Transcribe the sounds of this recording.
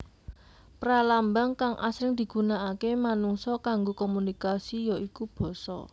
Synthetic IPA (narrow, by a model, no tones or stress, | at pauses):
pralambaŋkaŋʔa̰sɾɪŋd̪̥i̤ɡ̥ṳnaʔakemanuŋsɔkaŋɡokɔmunikasijɔʔikub̥ɔ̤sɔ̰